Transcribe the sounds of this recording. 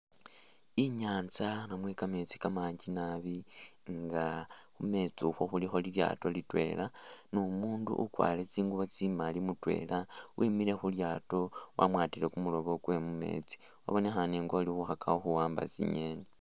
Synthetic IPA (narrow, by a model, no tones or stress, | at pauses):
iɲaːnt͡sanamwekame̞t͡si̥kamaːɲɟinaβiŋɡaxume̞t͡suxwo̞xulixo̞lilja̰to̞litwe̞̰lanomuːndṵʔṵkwa̰ːle̞t͡siːŋɡuβot͡simalimutwe̞̰ːlawʔimile̞xuljaːto̞wʔa̰mwaːtile̞kumulo̞βo̞ɡwe̞mume̞̰ːt͡si̥ | a̰βo̞nexaneŋɡoːlixuxakaoxuwaːmba̰t͡sḭɲe̞ne